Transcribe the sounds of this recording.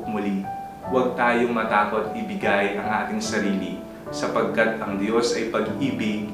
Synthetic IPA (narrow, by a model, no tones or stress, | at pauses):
mʊli | wɐɡ̚t̪aːjoŋmɐt̪aːko̞t̪ɪbɪɡɐjʔɐŋʔaːt̪ɪŋsɐɾiːli | sɐpɐɡ̚kːɐt̪̚ɐŋd̪jo̞sʔɐjpɐɡʔiːbɪɡ̚